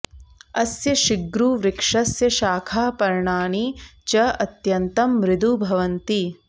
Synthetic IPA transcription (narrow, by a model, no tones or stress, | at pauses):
ɐsjɐʃiɡɾuːʋɾɪkʂɐsjɐʃaːkʰaːpɐɾɳaːnit͡ʃɐɐt̪jɐnt̪ɐmɾɪd̪ubʱɐʋɐnt̪i